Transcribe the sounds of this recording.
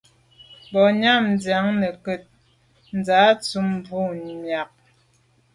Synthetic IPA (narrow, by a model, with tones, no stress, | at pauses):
bɔ˨ɲa˦˨mn˨da˨˦ŋnə˨kə˦˨t̚ | n̩˨d͡za˨˦t͡su˨˦m˦bu˦˨mja˨k̚